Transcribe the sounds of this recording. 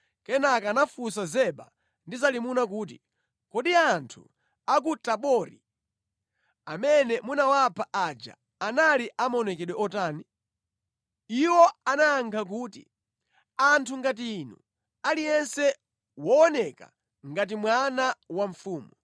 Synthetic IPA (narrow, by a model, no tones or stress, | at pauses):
kɛnakanafusazɛɓa̰ | ndizalimunak̬uːt̬i | kɔɗiantʰṵ | akutaɓɔːɾḭ | amɛnɛmunawapʰaʔad͡ʒa̰ː | naliʔamɔnɛkɛɗwɛɔtaːni | iwɔanaːŋkʰak̬uːtḭ | antʰuŋɡat̬iːnṵ | alijɛnsɛ | wɔɔnɛka̰ | ŋɡat̬imwanawaɱ̩fuːmu